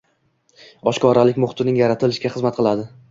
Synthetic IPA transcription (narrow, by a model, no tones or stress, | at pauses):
ɒʃkʰɒɾalɪkʲmʊχt̪ɪnɪŋjaɾat̪ʰɪlɪʃkʲaχɨzmat̪̚qʰɨlˠad̪ɪ